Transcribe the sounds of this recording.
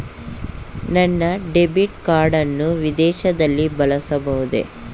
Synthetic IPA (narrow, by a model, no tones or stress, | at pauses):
nɐnːɐɖebiʈkaːɾɖɐnːuʋid̪ɛːʃɐd̪ɐlːibɐlɐsɐbɐɦud̪ḛ